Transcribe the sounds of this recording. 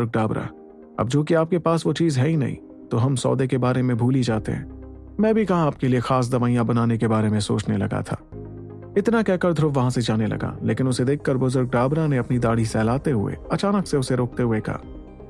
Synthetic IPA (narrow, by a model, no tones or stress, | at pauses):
ʊɾɡ̚ɖaːbɾa̰ | ɐ̰b̚d͡ʒoːk̬iaːp̚kepaːsʋot͡ʃiːzɦɛinɐ̰ɦḭ̃ | t̪oɦɐmsɔ̰ːd̪ekebaːɾemẽbʱuːlid͡ʒaːt̪ḛɦɛ̰̃ː | mɛ̃ːbʱikɐɦaaːp̚keliexaːs̬d̪ɐʋaːijãbɐnaːnek̬ebaːɾemẽso̰ːt͡ʃnelɐ̰ɡa̰t̪ʰa̰ː | ɪt̪nakɛːkɐɾd̪ʱɾʊbʋɐɦãsed͡ʒaːnelɐ̰ɡa̰leːkɪ̃nʊsed̪eːkʰːɐɾbʊzʊɾɡ̚ɖaːbɾaneɐpnid̪aːɽ̤isɛːlaːt̪eɦʊḛɐt͡ʃaːnəkseʊseɾoːk̚t̪eɦʊekɐ̰ɦː